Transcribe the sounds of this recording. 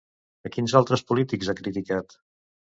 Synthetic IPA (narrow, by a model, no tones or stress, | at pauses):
əkinzalˠt̪ɾəspulit̪ikzakɾit̪ikat̪